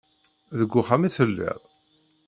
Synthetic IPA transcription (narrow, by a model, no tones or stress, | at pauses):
ðəɡʷːʊχamiθəlːɪ̰ðˤ